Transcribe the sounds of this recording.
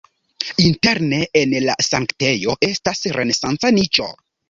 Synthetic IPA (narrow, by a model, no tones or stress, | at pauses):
inte̞ɾne̞enla̰saŋkte̞jo̞ʔe̞stasɾʔe̞ne̞sant͡sanit͡ʃo̞̰